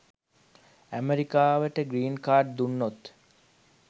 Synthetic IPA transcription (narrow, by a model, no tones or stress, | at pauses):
æmeɾikaːʋəʈəɡɾiːnkaːɖ̚d̪unːot̪